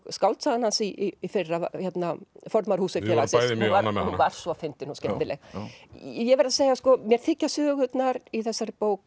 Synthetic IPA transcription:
skawlt̪saðanhansiːfɪrːaçɛt̪nafɔɾt̪maɾ̥huːsɪfɛːlasaðɪaɾnuvaɾ̥sɔfɪnt̪ɪnuscɛnɪlɛɣ | jɛvɛɾðaseːjaskɔmjɛɾ̥θɪcːasœːɣʏt̪naɾiθɛsːaɾpoːwk

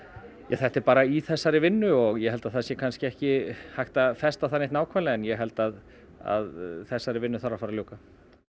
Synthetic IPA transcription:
jaθɛht̪ɛɾpaːɾaiθɛsːaɾɪvɪnːʏɔɣjɛɦɛlt̪aðθasjɛkʰanscɪɛhcɪhajht̪afɛst̪awθaneht̪naːwkʰvanlɛaɛnjɛɦɛl̪t̪að | a̰ðθɛsːaɾɪvɪnːʏθaɾafaɾaljoːwka

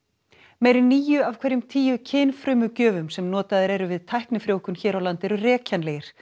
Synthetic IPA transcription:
meːjɾɪniːjʏav̥kʰvɛɾjʏmt̪ʰiːjʏcʰɪːnfɾʏːmʏcœːvʏmsɛmnɔːt̪aðɪɾɛɾʏvɪðt̪ʰajhknɪfɾjoːwkʏnçɛːɾawlant̪ɛɾʏrɛːcanlɛːjɪɾ̥

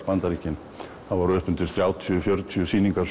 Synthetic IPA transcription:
spant̪aɾiːcɪn | θavaɾœːpʏnt̪ɪɾ̥θɾjaːwt̪ʰjʏfjœɾt̪ʰjʏsiːniŋkas

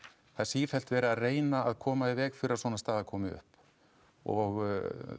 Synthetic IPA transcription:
θasiːfɛl̥t̪vɛːɾɪaðreːjnaaðkʰɔːmaɪvɛːɣfɪɾɪɾasvɔːnast̪aːɣðakʰɔːmɪʏ̰hp | ɔ̰ɣɣ

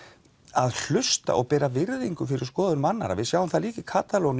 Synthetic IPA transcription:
aðl̥ʏst̪a̰ʔɔɣpɛːɾavɪɾðiŋkʏfɪɾɪɾ̥skɔːðʏnmanːa̰ɾa̰vɪðsjaːwʏmθaliːcɪkʰaːt̪alɔn

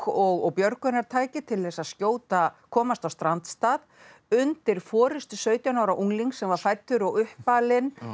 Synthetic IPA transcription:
ɔɣɔɣpjœɾkʏnaɾ̥t̪ʰaːjcɪt̪ʰɪlθɛsaðscoːwt̪akʰɔːmast̪awst̪ɾant̪st̪aːð | ʏnt̪ɪɾ̥fɔːɾʏst̪ʏsœɥt̪jawnawɾaʔuŋliŋksɛmvaɾ̥fajt̪ːʏɾɔɣʏhpaːlɪn

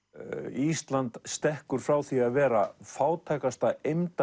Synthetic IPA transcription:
ist̪lant̪st̪ɛhkʏɾ̥fɾaːwθiaðvɛːɾa̰faːwt̪ʰɛːkast̪aejmt̪

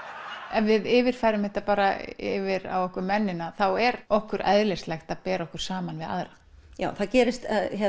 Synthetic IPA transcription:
ɛnvɪðɪːvɪɾ̥faːjɾʏmhɛht̪apaːɾaɪvɪɾa̰wɔhkʏmɛnːɪnaθawɛɾɔhkʏɾʔa̰ðlɛst̪lɛxt̪aðpɛːɾaɔhkʏ̥ɾ̥saːmanvɪða̰ðɾa | ja̰ːwθaðcɛːɾɪst̪açɛ

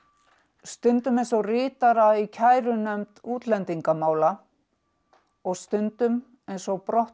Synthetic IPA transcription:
st̪ʏnt̪ʏmejns̬ɔɣrɪːt̪aɾaicʰaːjɾʏnœmt̪uːt̪lɛnt̪iŋkamaːwla | ɔɣst̪ʏnt̪ʏm | ejnsɔɣpɾɔht̪

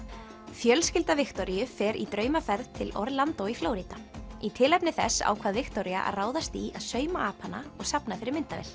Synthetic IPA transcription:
fjœlscɪlt̪avɪxt̪ɔɾijʏfɛɾʔit̪ɾœːɥmafɛɾðt̪ʰɪlɔɾðlant̪ɔwiflowɾit̪ait̪ʰɪːlɛjpnɪθɛ̰sːa̰ːwkʰvaðvɪxt̪ɔɾiaʔa̰ɾraːwðast̪iaðsœːɥmaʔaːpʰanːa̰ɔɣsapnafɪɾɪɾmɪnt̪avɛ̰l̥

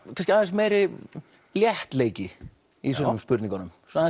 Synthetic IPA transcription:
kʰanscɪaðɛs̬meːɾɪ | ljɛht̪leːjcɪ | is̬ɔnʏmspʏɾt̪niŋkɔnʏmsa

